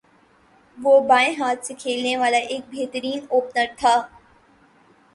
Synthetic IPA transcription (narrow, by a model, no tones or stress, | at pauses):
ʋoːbaːẽɦaːt̪sekʰeːlneʋaːlaʔeːk̚bʱeɦt̪əɾiːnoːpnəɾt̪ʰaː